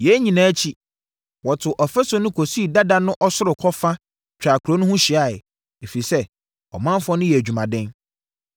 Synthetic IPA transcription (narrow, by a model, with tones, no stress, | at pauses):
jɛ˨˦ɲĩ˨nãː˨˦t͡ɕʰi˦ | wɔ˨tʰʊ˨ʔɔ˨fɛ˦sɔ̃˨˦nʊ̃˦kʰo˨si˦˨da˦da˦nʊ̃˦ʔɔ˦sʊ˦ɾɪ˨kʰɔ˦fa˦ | t͡ɕᶣa˨kʰu˨ɾo˦nʊ̃˦hũ˦ɕi˨a˨ɪ˨ | e˨fi˨i˨sɛ˦ | ɔ̰˨mã˦m˦fɔ̃˦nʊ̃˦jɛ˨æ˨d͡ʑᶣu˨mã˨dɛ̃˦n